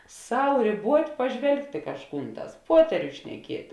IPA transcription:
ˈsɐʊ rʲeːˈbuɔtʲ pɐˈʒʲʋʲɛlˠktʲ ɪ kɐʃˈkuːn ˈtɑːs ˈpuɔtʲɛrʲʊs ʃʲnʲɛˈkʲiɛtʲ

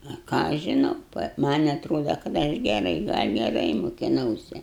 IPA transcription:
ɐ ˈkɑː ɐʃ ʒʲɪˈnɐʊ ˈmɐnʲ ɐtˈroːdɐ kɐt ˈɐʃ ɡʲɛˈrɐɪ ɡɐlʲ ɡʲɛˈrɐɪ mʊkʲɪˈnɐʊsʲɛ

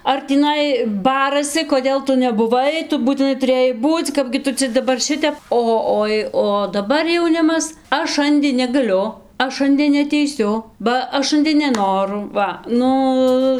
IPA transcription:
ɐr tʲiːˈnɐɪ ˈbɑːrɐsʲɪ koːˈdʲeːlˠ ˈtʊ nʲɛbʊˈʋɐɪ ˈtʊ buːtʲɪˈnɐɪ tʊˈrʲeːjɛɪ ˈbuːt͡sʲ ˈkɑːbʲɡʲɪ ˈtʊ t͡sʲɛ dɐˈbɐr ˈʃʲɪtʲɛp ˈoː ˈoːɪ oː dɐˈbɐr jɛʊˈnʲɪmɐs ˈɐʃ ˈʃɐnʲdʲeː nʲɛɡɐˈlʲʊ ˈɐʃ ˈʃɐnʲdʲeː nʲɛɐtʲɛɪˈsʲʊ bɐ ˈɐʃ ˈʃɐnʲdʲeː nʲɛˈnoːrʊ ˈʋɐ ˈnʊ

